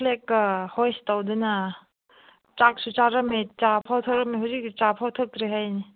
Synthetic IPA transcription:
pʰlekːɐhojstawdɐnɐ | t͡ʃak̚sut͡ʃaɾɐmet͡ʃapʰawtʰək̚ɾɐmeɦawzik̚st͡ʃapʰawtʰɐk̚dɾiɦajni

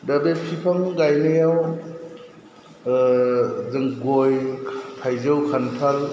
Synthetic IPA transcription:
dadepʰipʰaŋɡajnɯjaw | zɯŋɡojʰpʰajzɯwkʰanpʰal

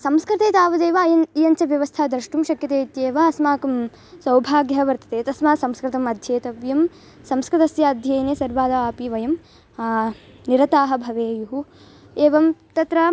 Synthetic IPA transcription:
sɐmskɾɪt̪eːt̪aːʋɐd̪eːʋɐːjɐnijɐnt͡ʃɐʋjɐʋɐst̪ʰaːd̪ɾɐʃʈumʃɐkjɐt̪eːt̪jeːʋɐɐsmaːkɐm | sɐwbʱaːɡjɐɦɐʋɐɾt̪ɐ̥t̪eːt̪ɐsmaːsɐmskɾɪt̪ɐmɐd̪ʱjeːt̪ɐʋjɐm | sɐmskɾɪt̪ɐsjɐɐd̪ʱjɐjneːsɐɾʋaːd̪ɐaːpiʋɐjɐm | niɾɐt̪aːɦɐ̆bʱɐʋeːjuɦu | eːʋɐmt̪ɐt̪ɾɐː

